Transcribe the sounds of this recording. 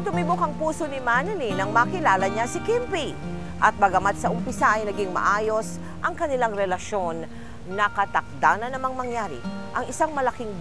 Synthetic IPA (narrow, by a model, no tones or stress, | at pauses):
d̪ʊmibukɐŋpuːsonɪmanɛlinɐŋmɐkɪlaːlɐɲasɪkimpi | ʔɐt̪̚bɐɡɐmad̪̚sɐʔʊmpɪsaʔɐjnɐɡɪŋmɐ̰ʔaːjo̞s | ʔɐŋkɐnɪlaŋɾɛlɐʃo̞nː | ɐkɐt̪ɐk̚d̪aːnɐnːɐmaŋmɐŋjaːɾɪ̰ | ʔɐŋɪsaŋmɐlɐkɪŋ